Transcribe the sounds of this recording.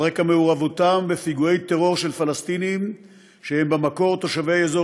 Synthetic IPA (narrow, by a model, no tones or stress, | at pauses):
ʁekameuʁavot̪ambefiɡuejt̪eʁo̞ʁʃe̞lfalast̪inim | ʃehembemako̞ʁt̪o̞ʃaveezo